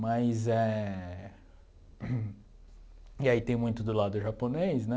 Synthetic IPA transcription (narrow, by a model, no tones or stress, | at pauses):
mazɛ | iait̪ẽj̃mũj̃t̪ʊd̪ʊlad̪ʊʒaponejsnɛ